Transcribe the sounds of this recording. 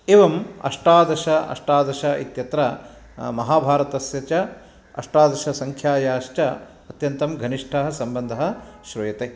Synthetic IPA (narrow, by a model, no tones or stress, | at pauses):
eːʋɐmɐ̰ʂʈaːd̪ɐʃɐɐ̰ʂʈaːd̪ɐʃɐit̪jɐt̪ɾɐ | mɐɦaːbʱaːɾɐt̪ɐsjɐt͡ʃɐ | ɐ̰ʂʈaːd̪ɐʃɐsɐŋkʰjaːjaːʃt͡ʃɐ | ɐt̪jɐnt̪ɐmɡʱɐniʂʈʰɐɦɐ̆sɐmbɐnd̪ʱɐɦɐ̆ʃɾɐjɐt̪eː